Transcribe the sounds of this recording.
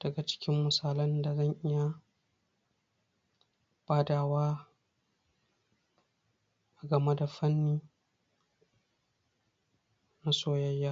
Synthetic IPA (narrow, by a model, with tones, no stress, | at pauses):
d̥ɐ˨ɡa˨t͡ʃɪ̥˦kʲɪ˦mːʊ˨saː˨lɐ˦nda˨zɐ˦˨ŋʔɪ˦ja˦ | b̥aː˦daː˨waː˦ | ʔa˨ɡɐ˨me˦da˨ɸɐ˦nːiː˦ | na˦soː˦jɐ˦jːaː˦